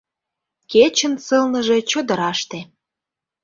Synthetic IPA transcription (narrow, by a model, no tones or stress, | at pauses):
ket͡ɕə̆nsəlnə̆ʒet͡ɕod̪ə̆ɾɑʃt̪e